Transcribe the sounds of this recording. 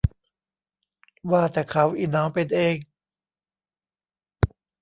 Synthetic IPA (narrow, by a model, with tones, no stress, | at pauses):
waː˥˩t̪ɛː˨˩kʰa˦˥wʔiː˨˩naː˦˥wpe˧nʔeː˧ŋ